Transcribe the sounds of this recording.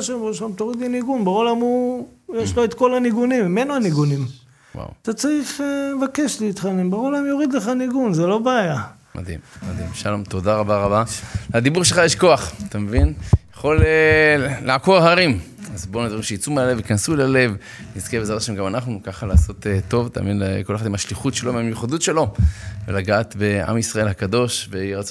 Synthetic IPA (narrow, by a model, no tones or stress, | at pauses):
aʃembʃaomt̪oʁid̪iniɡunbeolamujeʃloet̪ko̞laniɡunimimenuaniɡunim | wa̰wat̪at͡saʁiχevake̞ʃlit̪χanimbeolamjoʁid̪leχaniɡunzelo̞beaja | mʔa̰d̪ḭmmad̪ḭmʃalo̞mt̪o̞d̪aʁabaʁabalad̪ibuʁʃelχajeʃko̞aχat̪amevinjaχo̞lelaʕako̞ʁɦaʁim | azboned̪vaʁimʃejit͡sumeale̞vikansulale̞v | nizkebezaaʃemɡamanaχnukaχalaːso̞t̪t̪o̞vt̪a̰ːminkoleχad̪imaʃliχutʃelomiamjuχad̪utʃe̞lo̞velaɡaːt̪be̞a̰misʁae̞lhakad̪o̞ʃveʁat͡s